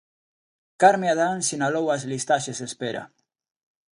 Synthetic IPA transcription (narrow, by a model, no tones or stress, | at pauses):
kaɾmeaðansinalowazlist̪aʃesespeɾa̰